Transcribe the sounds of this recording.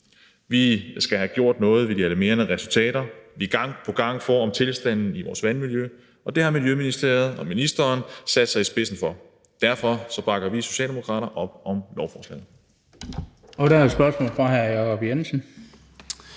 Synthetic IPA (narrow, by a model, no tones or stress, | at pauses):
ʋisɡ̥æhæɡ̥jo̝ɐ̰d̥nɔ̽ːð̞̩ˠʋe̝d̥iælæme̝ːɐnəʁɛsult͡sʰɛ̰ːɾɐʋiɡ̥ɑ̈ŋ̰pʰɒ̽ɡ̥ɑ̈ŋ̰fɒɒ̽mt͡sʰe̝lsd̥æn̰n̩iʋɒ̰ːsʋænmiljø | ɒ̽d̥e̝hɑ̈miljøminisd̥e̝ɐð̞̩ˠɒ̽minisd̥ɐːnsæd̥sɑ̈ɪisb̥e̝sn̩fɒ̽ | d̥æɐfɒ̽sɒ̽b̥ɑ̈ɡ̥ɐʋiso̝ɕɛ̰ːldemokʰʁɑ̰̈ːɾɐʔɒ̽b̥̚ɒ̽mlɒʊfɒːslɛ̰ːð̩ˠ | ɒɾæsb̥ɶɐsmɔ̰ːlfʁɑ̈ɦæɐjɑkʰɒb̥jensn̩